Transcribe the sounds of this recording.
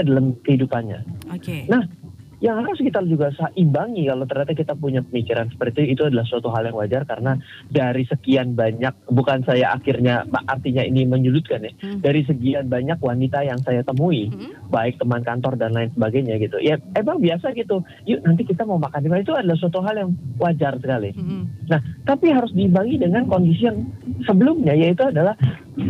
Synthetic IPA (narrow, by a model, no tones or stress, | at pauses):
adalamkəɦidupanɲa̰nah | jaŋhaɾʊskit̪ald͡ʒuɡasaʔimbaŋikalowt̪ərɲat̪ak̬it̪apuɲapəmikiɾansə̥pərt̪iit̪uadalahsuat̪uɦaljaŋwad͡ʒarkaɾəna | daɾisəkianbaɲak̚bukansajaʔa̰kɪrɲama̰ʔart̪iɲaḭniməɲudʊt̪̚kanɪhdaɾis̬əkianbaɲakwanit̪ajaŋsajat̪əmuibaɪk̚t̪əmankant̪ɔrdanlaɪnsəbaɡajɲaɡit̪ujaemaŋbiasaɡit̪u | junant̪̬ikit̪amaumakanimait̪uadalahsuat̪uɦaljaŋwʔad͡ʒarsəkalinaht̪apiɦaɾʊsdiimaŋidəŋankondisijaŋsəbəlʊmɲajait̪uadalah